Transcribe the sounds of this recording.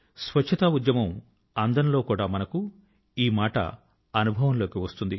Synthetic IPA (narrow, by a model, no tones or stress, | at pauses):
sʋɐt͡ʃt͡ʃʰːɐt̪ɐud̪jɐmɐm | ɐnd̪ɐnlo̞ːkuːɽaːmɐnɐku | iːmaːʈɐ̰ | ɐnubʱɐʋɐmlo̞ːkiʋɐst̪und̪i